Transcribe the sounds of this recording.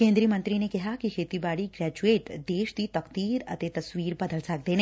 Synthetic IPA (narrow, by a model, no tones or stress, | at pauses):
kẽːnd̪ɾijəmə̃nt̪ɾinekɪɦakikʰeːt̪ibaːɽiɡɾɛːd͡ʒueːʈd̪eːʃd̪it̪ɐkt̪iːɾɐ̰t̪et̪ɐswiːɾbɐd̪əlsɐk̚d̪eːn